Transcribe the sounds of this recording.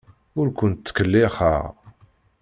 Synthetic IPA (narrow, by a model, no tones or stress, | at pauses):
ʊɾkʷʊnt̪ːkːəlːɪχa̰ʁ